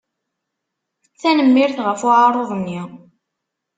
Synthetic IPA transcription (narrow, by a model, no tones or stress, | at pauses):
θænəmːɪɾθʁəfʊʕɑɾˤoðˤnːi